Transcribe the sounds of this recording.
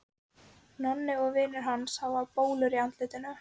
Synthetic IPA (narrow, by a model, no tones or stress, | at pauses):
nɔnːɪɔɣvɪːnʏɾ̥ɦanshawaðpoːwlʏɾiant̪lɪːt̪ɪnʏm